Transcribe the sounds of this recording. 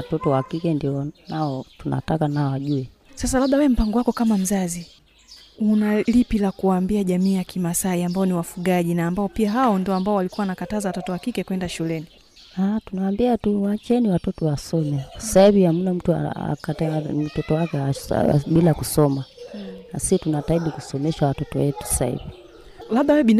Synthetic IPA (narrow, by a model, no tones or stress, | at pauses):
watɔtɔwakikɛndiɔnaɔtuna̰takanaɔaʄuɛ | sasalaɓawɛɛm̩paŋɡɔwakɔkamam̩zazi | unalipilakuwaːmbiaʄamiːjakimasaiambaɔniwafuɡaʄinaːmbaɔpiaɦawɔndiɔambaɔwalikuwawanakatazawatɔtɔwakikɛkwɛndaʃulɛni | atunawambiatuwat͡ʃɛniwatɔtɔwasɔmɛssaivihamunam̩tua̰a̰katam̩tɔtɔwakɛa̰ɓilakusɔmaasitunataiɗikusɔmɛʃawatɔtɔ̰wɛtu̥ssa̰hḭvi | labɗawɛɓin